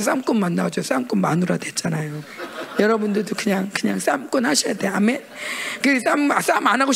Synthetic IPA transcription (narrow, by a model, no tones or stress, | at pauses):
s̬͈amk͈unmanːad͡ʑos͈amk͈unmanuɾadwe̞tt͡ɕ͈anajojʌɾʌbundɯɭdokɯɲaŋkɯɲaŋs͈amk͈ɯnhaɕʰʌjade̞ame̞nkɯs͈ams͈amanɦaɡoɕ